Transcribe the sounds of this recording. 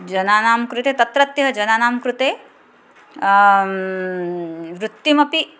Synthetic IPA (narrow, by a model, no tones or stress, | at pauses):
d͡ʒɐnaːnaːmkɾut̪eːt̪ɐt̪ɾɐt̪jɐɦɐd͡ʒɐnaːnaːmkɾut̪eː | ʋɾut̪ːimɐpi